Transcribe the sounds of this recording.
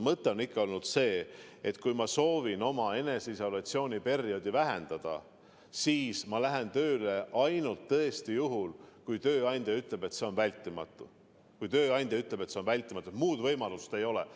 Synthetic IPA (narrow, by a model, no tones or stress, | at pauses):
mɤt̪ˑːe̞o̞nikːɑo̞lnud̪̥se̞ːet̪kujmɑso̞ːvino̞mɑe̞ne̞siso̞lɑt̪sio̞ːnʲipe̞rjo̞d̪̥ivæɦend̪̥ɑd̪̥ɑ̰ | siːsmɑlæɦent̪ø̞ːle̞ʔɑjnult̪ːɤest̪ijuɦulkujt̪ø̞ːɑnʲd̪̥ʲjɑyt̪ˑle̞b̥e̞t̪se̞o̞nvælʲt̪ːˑimɑ̰t̪ːˑu | kujt̪ø̞ːɑjnʲd̪̥ʲjɑyt̪ːˑle̞bet̪se̞o̞nvælʲt̪ːˑimɑt̪ːuet̪muːd̪̥vɤjmɑlust̪e̞jo̞lḛ